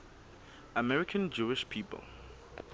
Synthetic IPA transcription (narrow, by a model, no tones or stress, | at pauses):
əmɛɹɪkʰə̃nd͡ʒuːɪʃpʰiːpə̰l